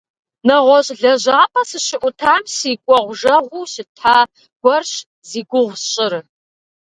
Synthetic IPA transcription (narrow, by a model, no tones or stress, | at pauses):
nɐʁʷɔɕʼɮɐʑaːpʰʼɐsɨɕɪʔʷʊtʰaːmsiːkʷʼɔʁʷʒɐʁʷuːɕɪtʰaː | ɡ̥ʷɔrɕ | ziːɡʷʊʁʷɕʼɪɾɨ